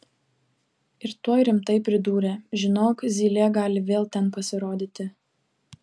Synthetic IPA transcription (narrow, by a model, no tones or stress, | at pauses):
ɪɾt̪uɔjɾʲɪmt̪ɐɪpʲɾʲɪd̪uːɾʲeʒʲɪnoːkzʲiːlʲeːɡɑːlʲɪʋʲeːlˠt̪ʲɛnpɐsʲɪɾoːd̪ʲiːt̪ʲɪ